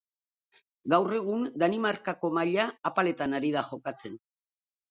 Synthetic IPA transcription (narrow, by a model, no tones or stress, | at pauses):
ɡawre̞ɣ̞und̪animarkako̞maʎaːpale̞t̪anaɾið̞axo̞kat͡se̞n